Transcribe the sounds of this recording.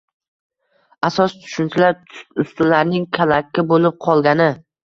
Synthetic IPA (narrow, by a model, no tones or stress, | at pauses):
asɒst̪ʰʊ̥ʃʊnt̪ʰɪlaɾʊst̪ʊlaɾnɪŋkʲʰalakʲːɪbolɪp̚qʰɒlˠɡʲanɪ